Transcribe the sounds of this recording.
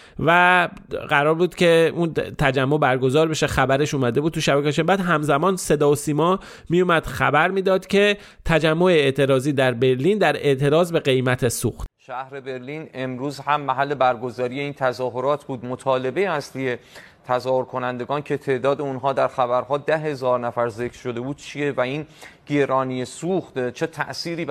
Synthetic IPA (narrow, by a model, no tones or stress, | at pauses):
væɢæɾɒːɾbuːd̪̥cʰe̞unt̪ʰæd͡ʒæmːo̞bæɾɡo̞zɒːɾbe̞ʃe̞xæbæɾe̞ʃuːmæd̪e̞bud̪̚t̪ʰuʃæbækʰɒʃembæːd̪ɦæmzæmɒːnse̞d̪ɒːosiːmɒː | miːjumæd̪̥xæ̰bæɾmiːd̪ɒːd̪cʰe̞ | t̪ʰæd͡ʒæmːo̞eet̪ʰe̞ɾɒːziːd̪æɾbe̞ɾliːnd̪æɾe̞ʔt̪ʰe̞ɾɒːzbe̞ɣe̞jmæt̪ʰe̞sṵxt̪ʃæhɾe̞be̞ɾliːne̞mɾuːzhæmːæɦælːe̞bæɾɡo̞zɒːɾije̞iːnt̪ʰæzɒːɦoɾɒːt̪ʰbuːd̪mot̪ʰɒːle̞be̞jeæslije̞ | t̪ʰæzɒːhoɾkʰo̞nænd̪e̞ɡɒːncʰe̞t̪ʰe̞ːʔd̪ɒːd̪eunɦɒːd̪æɾxæbæɾɦɒːd̪æɦe̞zɒːɾnæfæɾzekʰɾ̥ʃo̞d̪e̞buːd̪̥̚t͡ʃʰije̞væinɡ̥eɾɒːnijesuxt̪t͡ʃʰet̪ʰæ̰ʔsiːɾiː